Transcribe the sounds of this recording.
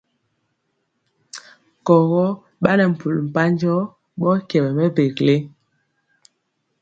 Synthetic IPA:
kɔ˨ɣɔ˦ | ɓa˦nɛ˨m̩˨pu˨lm̩˨pa˦n˦d͡ʒɔ˦ | ɓɔ˦kjɛ˨bɛ˨mɛ˦be˨kle˦

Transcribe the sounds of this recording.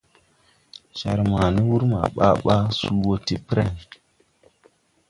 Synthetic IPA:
ʃa˨ɾma˨ni˦wu˦ɾma̰˨ɓa̰˦ɓa˦su˦wo˦ti˦pɾa˨n˨

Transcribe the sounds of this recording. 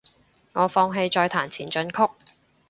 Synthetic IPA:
ŋɔː˨˧fɔː˧ŋɦe˧jt͡ʃɔː˧jt̪ʰaː˨˩nt͡sʰiː˨˩nt͡ʃɵ˧nkʰʊ˥k̚

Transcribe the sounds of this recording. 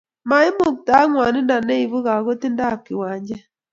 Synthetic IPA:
ma˨i˦mo˨k̚ta˨˦ŋwa˨ni˦nda˨ne˦i˨βu˦ɣa˨ɣo˦ti˦nda˦˨kːi˨wa˨ɲd͡ʒɛ˦

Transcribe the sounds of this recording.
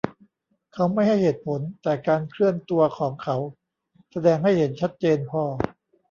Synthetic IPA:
kʰa˦˥wma˥˩jha˥˩jheː˨˩t̪̚pʰo˩˦nt̪ɛː˨˩kaː˧nkʰɾɯ˥˩ənt̪u˧ɐkʰɔː˩˦ŋkʰa˦˥w | sa˧dɛː˧ŋha˥˩jhe˩˦nt͡ɕʰa˦˥t̪̚t͡ɕeː˧npʰɔː˧

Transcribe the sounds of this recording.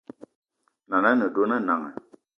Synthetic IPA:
na˨na˦nə˨do˦na˦˨na˨ŋa̰˨

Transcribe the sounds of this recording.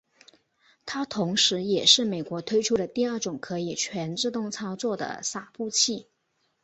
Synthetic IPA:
t̪ʰa˥t̪ʰʊ˧˥ŋʂɻ̩˧˥jɛ˨˩ʂɻ̩˥˩me˨˩ɪkwɔ˧˥t̪ʰwe˥ɪʈ͡ʂʰu˥d̪ə˨t̪i˥˧ə˞˥˩ʈ͡ʂʊ˨˩ŋkʰɤ˧˥i˨˩t͡ɕʰɥɛ˧˥nʈ͡ʂɻ̩˥˧t̪ʊ˥˩ŋt͡sʰɑ˥ʊt͡swɔ˥˩d̪ə̰˩sa˨˩pu˥˧t͡ɕʰi˥˩

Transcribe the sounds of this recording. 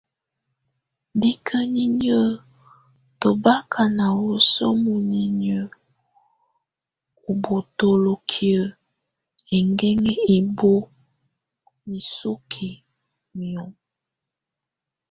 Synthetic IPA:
bi˦kʰə˦ni˦ɲə˦ | tə˨ba˦kʰa˨na˨wo˨so̰˦mu˨ni˨ɲə˦ | u˨bo˨to˨lo˨kʰi˨ə˨ | e˨ŋɡɛ˦ŋe˦i˨bo˦ | ni˨so˦kʰe˨ | mi˨ɔ˨ŋ

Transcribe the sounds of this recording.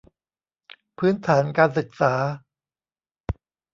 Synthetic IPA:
pʰɯː˦˥nt̪ʰaː˩˦nkaː˧nsɯ˨˩k̚saː˩˦

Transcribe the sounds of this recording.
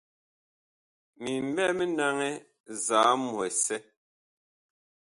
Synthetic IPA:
mi˨m̩˨˦bɛ˦˨me˦na˦ŋɛ˦ | zaː˨˦mɔ˨ɛ˨sɛ˦

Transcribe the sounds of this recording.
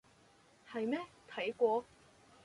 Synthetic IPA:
hɐ˨jmɛː˥t̪ʰɐ˨˥jkʷɔː˧

